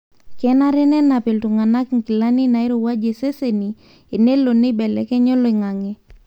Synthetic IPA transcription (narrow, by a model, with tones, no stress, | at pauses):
kɛ˦na˦ɾɛ˦nɛ˦na˨pe˨ltu˨ŋa˨na˦kŋ˨ki˨la˦ni˦na˨ɪ˦ɾo˨wa˦d͡ʒe˨se˦se˨ni˨ | e˨ne˦lo˨ne˦bɛ˨lɛ̰˨kɛ˦ɲɔ˦lɔ˦˨i˨ŋa˨ŋe˨